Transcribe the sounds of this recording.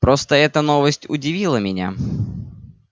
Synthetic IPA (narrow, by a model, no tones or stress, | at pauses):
pɾost̪əɛt̪ənovəsʲtʲʊdʲɪvʲilˠəmʲɪnʲa̰